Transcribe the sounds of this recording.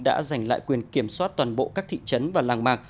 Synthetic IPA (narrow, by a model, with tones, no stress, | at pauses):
ɗa̰ː˧˥za˨˩jŋ̟la̰ː˧˨jkwi˨˩ənki˧˩əmswaː˦˥t̚t̪waː˨˩nɓo̰˧˨ʔkaː˦˥k̚t̪ʰḭ˧˨t͡ɕə˨˦nvaː˨˩laː˧˩ŋmaː˨˩k̚